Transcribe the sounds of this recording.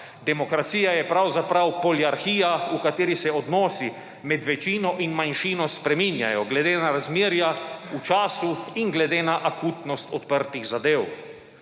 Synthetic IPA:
d̪ɛmɔkɾat̪siːjajɛpɾawzapɾawpɔliaɾxiːjaukat̪eːɾisɛɔd̪nɔːsi | mɛd̪ʋɛt͡ʃiːnɔʔinmanʃiːnɔspɾɛminja̰jɔɡlɛd̪eːnaɾazmeːɾjaut͡ʃaːsuinɡlɛd̪eːnaʔakuːt̪nɔst̪ɔt̪pəɾt̪iɣzad̪eːw

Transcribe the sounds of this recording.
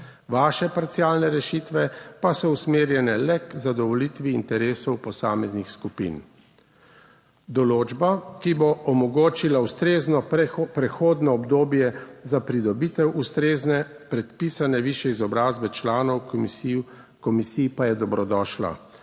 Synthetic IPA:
ʋaːʃɛpaɾt̪sijaːlnɛɾɛʃit̪ʋɛpasɔusmeːɾjɛnɛlɛkzad̪ɔʋɔlit̪ʋiːnt̪ɛɾeːsɔwpɔsaːmɛznixskupḭn | d̪ɔloːd͡ʒbakiboʔɔmɔɡoːt͡ʃilaust̪ɾeːznɔpɾɛxoːd̪nɔːbd̪oːbjɛzapɾid̪ɔbit̪ɛwʔust̪ɾeːznɛ | pɾɛt̪piːsanɛʋiːʃɛizɔbɾaːzbɛt͡ʃlaːnɔw | kɔmisipajɛd̪ɔbɾɔd̪ɔːʃla̰

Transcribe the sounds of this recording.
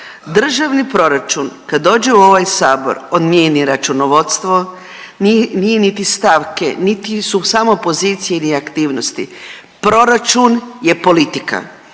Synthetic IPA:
d̪r̩ʒaʋnipɾo̞ɾat͡ʃunkad̪dːo̞ːd͡ʒeuo̞ʋajsaːbo̞̰ɾod̪mjeːniɾat͡ʃunoʋo̞t̪st̪ʋo | nnijenit̪ist̪aʋkḛnit̪isusamopo̞ziːt̪sijeniakt̪iːʋnost̪i | pɾo̞ɾat͡ʃunje̞po̞lit̪ika̰

